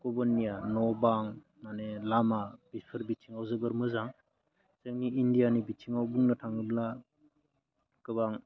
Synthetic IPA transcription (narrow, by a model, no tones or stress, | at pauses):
kɔbɯnːijanɔbaŋ | nanelamab̥ipʰɯɾbitʰiŋawzɯbɯɾmɯzaŋ | seŋniindijanibit͡ʃʰiŋawbuŋnɯtʰaŋɯbla | kɯbaŋ